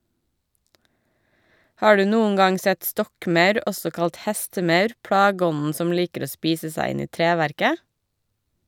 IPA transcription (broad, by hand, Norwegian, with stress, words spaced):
ˈhɑː ˈɖʉː ˈnuːəŋ ˈɡɑŋ ˈsɛt ˈstɔkˌmœʉɾ ˈɔsɔ ˈkɑlt ˈhɛstəˌmœʉɾ ˈpɽɑːɡəˌɔnn̩ ˈsɔm ˈliːkəɾ ˈoː ˈspiːsə ˈsæɪ ˈɪn ˈiː ˈtɾeːʋæɾkə